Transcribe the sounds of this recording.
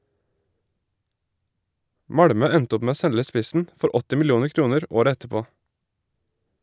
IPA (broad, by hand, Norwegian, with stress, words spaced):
ˈmɑɽmœ ˈɛnt ˈʊp ˈmeː ˈoː ˈsɛlə ˈspɪsn̩ ˈfɔɾ ˈɔtɪ mɪlɪˈuːnəʁ ˈkɾuːnəɾ ˈoːɾə ˈɛtəˌpoː